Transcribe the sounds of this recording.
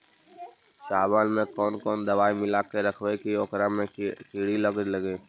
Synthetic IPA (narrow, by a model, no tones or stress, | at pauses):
saːbaːnmẽkɔːnkɔːnd̪ɐʋaːimɪlaːkeɾɐkʰwekiɔːkɾamẽkiːɽilɐɡd͡ʒlɐɡeː